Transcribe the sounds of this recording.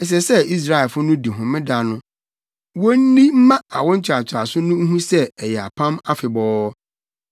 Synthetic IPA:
ɛ˨s̬ɛ˨sɛ˦i˦s̬ɾa˦ɛ˨lfʊ˦nʊ̃˦di˨ɦʊ̃˨mɪ̃˦da˨˦nʊ̃˦ | wɔ˦n̩˦nĩ˦m̩˦mã˦a̰˨wɔ̃˦ɲ̩˦t͡ɕʰɪ˨a˨t͡ɕʰɪ˨ɾa˨sʊ˦nʊ̃˦ŋ̩˦ɦũ˦sɛ˦ɛ˨jɛ˨a̰˨pʰã˦ma˦fɪ˨bɔː˦

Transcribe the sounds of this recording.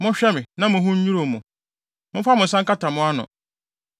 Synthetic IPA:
mʊ̃˦ɕᶣɛ˦mɪ̃˨nã˦mʊ̃˨ɦʊ̃˦ɲ̩˦ɲu˦ɾo˨mʊ̃˨ | mʊ̃˦fa˦mʊ̃˨n̩˨sã˦ŋka˦ta˨mʊ̃˦a˦nʊ̰̃˨

